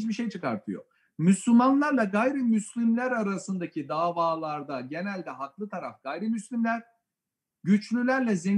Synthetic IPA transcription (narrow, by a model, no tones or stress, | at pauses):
t͡ʃbiʃejt͡ʃʰɯkaɾt̪ʰɯjo̰ | myslʲumanlˠaɾlˠaɡajɾɯmyslʲimlʲæɾaɾasɯnd̪acʰid̪aːvaːlˠaɾd̪aɟe̞nælʲd̪ɛɦaklˠɯt̪ʰaɾafɡ̥ajɾɯmyslʲimlʲæɾ̥ | ɟyt͡ʃlʲylʲæɾlʲɛzɛ